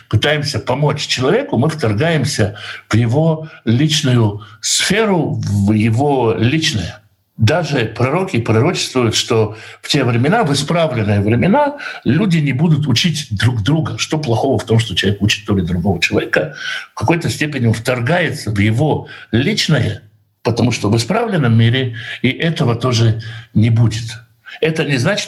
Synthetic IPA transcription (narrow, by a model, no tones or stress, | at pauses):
pɨt̪ajɪmsʲəpɐmo̞t͡ɕt͡ɕɪlˠɐvʲe̞kʊmɨft̪ɐrɡajɪmsʲəv̥jɪvo̞lʲit͡ɕnʊjʊsfʲe̞ɾʊvjɪvo̞lʲit͡ɕnəjə | d̪aʐɨpɾɐɾo̞kʲɪpɾɐɾo̞t͡ɕɪ̥st̪vʊjʊt̪ʂt̪o̞ftʲe̞vɾʲɪmʲɪnavɨspɾavlʲɪnːɨjəvɾʲɪmʲɪnalʲudʲɪnʲɪbud̪ʊt̪ʊt͡ɕitʲd̪ɾuɡd̪ɾuɡəʂt̪o̞plˠɐxo̞vəft̪o̞mʂ̬t̪ot͡ɕɪlɐvʲekut͡ɕɪt̪ːolʲɪd̪ɾʊɡo̞vət͡ɕɪlˠɐvʲekəfkɐko̞jt̪əsʲtʲepʲɪnʲɪonft̪ɐrɡajɪt̪səvjɪvo̞lʲit͡ɕnəjə | pət̪ɐmuʂt̪ovɨspɾavlʲɪnːəmːʲiɾʲɪiʔɛt̪əvət̪o̞ʐɨnʲɪbudʲɪt̪ | ɛt̪ənʲɪznat͡ɕɪ̥